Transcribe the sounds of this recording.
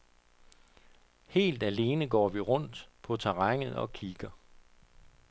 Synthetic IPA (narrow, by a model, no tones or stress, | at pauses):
he̝̰ːld̥æle̝ːnəɡ̥ɒ̰ːʋiʁɔ̽n̰d̥pʰɒ̽t͡sʰɑʁɑŋ̰ð̩ˠɒ̽kʰiɡ̥ɐ